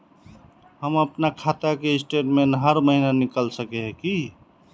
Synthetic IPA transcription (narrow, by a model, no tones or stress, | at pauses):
ɦəməpnakʰat̪akeɪsʈeʈmenɦəɾməɦinanikəlsəkeɦki